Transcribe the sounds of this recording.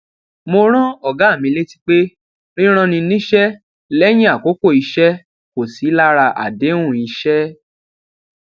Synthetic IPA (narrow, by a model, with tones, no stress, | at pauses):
mo˧ɾ̃ɔ̃˦ɔ˦˨ɡa˨˦˨mĩ˧le˦ti̥˦k͡pe˦ | ɾĩ˦ɾ̃ã˧nĩ˧nĩ˦ʃɛ˦ | lɛ˦j̃ĩ˦a˦˨ko˨˦ko˦˨i˧ʃɛ˦ | ko˨si˨˦la˦ɾa˧ʔa̰˨dẽ˨˦ũ˦˨i˨˧ʃɛ˦